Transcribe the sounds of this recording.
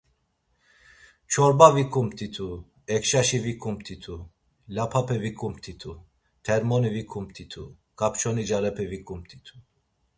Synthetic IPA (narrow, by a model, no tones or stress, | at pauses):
t͡ʃʰɔɾbavikʰʼumpt̪ʰʼit̪ʰu | ɛkʃaʃivikʼumpt̪ʰit̪ʰu | lapʰapʰɛvikʰʼumpt̪ʰit̪ʰu | t̪ʰɛɾmɔnivikʰʼump̚t̪ʰit̪ʰu | kap̚t͡ʃʰɔnid͡ʒaɾɛpʰɛvikʼumpt̪ʰʼit̪ʰu̥